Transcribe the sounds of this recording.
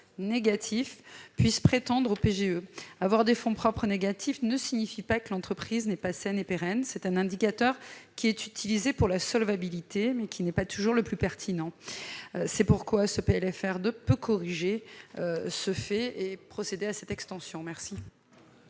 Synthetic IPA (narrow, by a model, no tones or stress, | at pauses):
neɡat̪ʰifpɥispχet̪ɑ̃d̪ʁopeʒeøavwaʁd̪efɔ̃pχɔpχəneɡat̪ʰifnəsiɲifipakəlɑ̃t̪χəpχiznɛpasɛnepeʁɛnsɛt̪ɛ̃nɛ̃d̪ikat̪œʁkʲiɛt̪yt̪ʰilizepuʁlasɔlvabilit̪emɛkʲʰinɛpat̪uʒuʁləplypɛʁt̪ʰinɑ̃ | sɛpuʁkwasəpeɛlɛfɛʁd̪øpøkʰɔʁiʒeøsəfɛepχɔsed̪easɛt̪ɛkst̪ɑ̃sjɔ̃mɛʁsi